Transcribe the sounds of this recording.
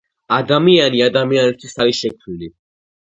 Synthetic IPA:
ad̪amianiad̪amianɛt̪ʰwisaɾiʃɛk̚t̪ʰnili

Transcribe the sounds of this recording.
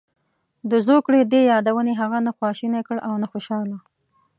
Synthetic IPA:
d̪əzokɽed̪ejɑd̪awəneɦaɣanaxwɑʃinakəɽawnaxoʃɑla

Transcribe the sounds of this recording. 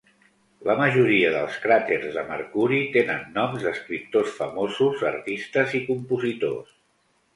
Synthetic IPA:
ləməʒuɾiəðəlˠskɾat̪eɾzðəməɾkuɾit̪enənːɔmzðəskɾip̚t̪osfəmozuzə̰ɾt̪ist̪əzikumpuzit̪o̰s

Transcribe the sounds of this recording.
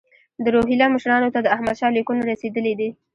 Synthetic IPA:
d̪əɾoɦilɑməʃɾɑnot̪ad̪əahmad̪ʃɑlekunaɾased̪əled̪i

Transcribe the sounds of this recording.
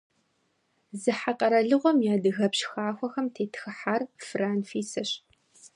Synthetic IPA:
zɨħaqʼɐɾɐɮɨʁʷɔmjaːdɨɣɐpɕxaːxʷɔxɐmtʰeːtxɨħaːrfraːnfiːsɐɕ

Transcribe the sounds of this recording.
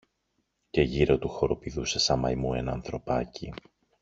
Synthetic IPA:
ce̞ʝiɾo̞t̪uxo̞ɾo̞piðuse̞sɐmɐ̰jmue̞nɐnθɾo̞pɐci

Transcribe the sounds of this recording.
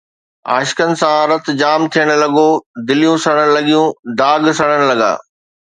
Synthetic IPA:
a̰ːʃɪ̥kənɪ̆sãɾɐt̪d͡ʑaːmt̪ʰijəɽ̃ʊ̆lɐɡod̪ɪlijũsɐɽ̃əɽ̃̆lɐɠijũd̪aːɡsɐɽ̤əɽ̃lɐɡa̰ː

